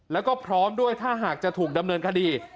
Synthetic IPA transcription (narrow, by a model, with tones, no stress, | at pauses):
lɛː˦˥wkɔː˥˩pʰɾɔː˦˥mdu˥˩əjt̪ʰaː˥˩ɦaː˨˩k̚t͡ɕa˨˩t̪ʰuː˨˩k̚da˧mnɤː˧nkʰa˧diː˧